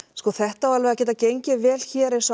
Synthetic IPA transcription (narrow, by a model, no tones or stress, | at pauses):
skɔːθɛht̪awalvɛðacɛːt̪acejɲcɪvɛːl̥çɛːɾɪsa